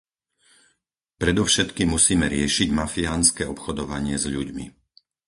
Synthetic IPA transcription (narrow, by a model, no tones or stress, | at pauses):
pɾɛd̪ɔʊʃɛt̪kimːusiːmɛɾɪɛʃiɟmafiaːnskɛːɔpxɔd̪ɔʋaɲɪɛzʎuɟmḭ